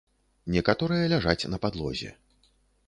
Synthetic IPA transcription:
nʲɛkat̪ɔɾɨjɐlʲaʐat͡sʲnɐpad̪lˠɔ̰zʲɛ̰

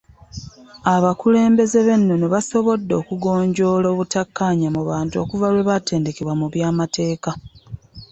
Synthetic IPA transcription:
aβakule̞ːmbe̞ze̞βe̞nːo̞neβaso̞βo̞dːo̞ːkuɡo̞ːɲɟo̞ːlo̞ːβutakːaːɲamuβaːntuo̞̰ːkuvalwe̞βate̞ːnde̞ke̞βwamuβjaːmatʰe̞ːka

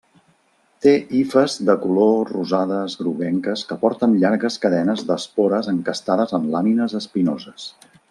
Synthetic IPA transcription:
t̪eʔifəzðəkuloruzaðəzɣɾuβɛŋkəskəpɔɾt̪ənʎaɾɣəskəðɛnəzd̪əspoɾəzəŋkəst̪aðəzəmlaminəzəspinozəs

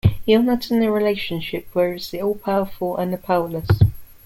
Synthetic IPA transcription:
iənətʰɪ̃nəɹɪleɪʃə̃nʃɪp̚ʰwəɹɪz̥ðiɔːlˠpʰaʊəfəlˠʔə̰̃nðəpʰaʊələs

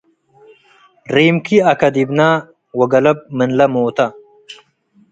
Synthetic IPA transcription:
ɾeːmkiɐkɐd̪ibnaː | wɐɡɐlɐb̚mənlɐmoːt̪a

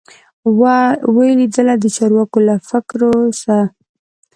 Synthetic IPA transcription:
wawəlid̪əlad̪ət͡ʃɑɾwɑkolafɪkɾosa

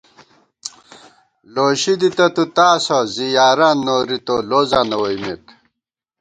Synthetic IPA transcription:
loːɕid̪it̪ɐt̪ut̪aːsozijaːɾanːoːɾit̪oloːzanɐwoimḭt̪

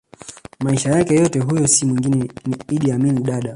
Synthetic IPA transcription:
maiʃajakɛjɔtɛɦujɔsimwiŋɡinɛniiɗiaminiɗaɗa

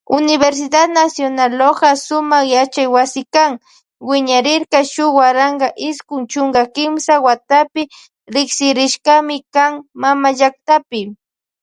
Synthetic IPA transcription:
ʊnɪβeɾs̬ɪd̪ad̪nasjonaloɢɑsʊmɑχjat͡ʃajwasɪkaŋ | wɪɲaɾɪɾkɑʃʊwaɾaŋɢɑʔɪskʊŋt͡ʃʊŋɡakɪmsawat̪apɪ | ɾɪksɪɾɪʃkamɪkaŋmamaʒak̚t̪apɪ

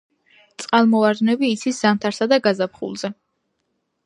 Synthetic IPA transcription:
t̪sʼqʼalˠmɔvaɾd̪nɛbiːt̪sʰiszant̪ʰaɾsad̪aɡazapχṵlˠz̥ɛ

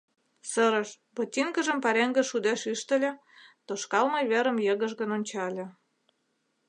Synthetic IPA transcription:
sə̆ɾə̆ʃ | bot̪ʲiŋɡə̆ʒə̆mpɑɾeŋɡə̆ʃud̪eʃyʃt̪ə̆lʲĕ | t̪oʃkɑlmɤjβeɾə̆mjə̆ɣə̆ʒɣə̆nonʲt͡ɕɑlʲĕ

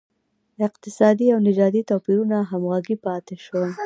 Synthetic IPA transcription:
ɪq̚t̪ɪsɑd̪iawnɪd͡ʒɑd̪it̪opiɾunaɦamɣaɡipɑt̪eʃwa

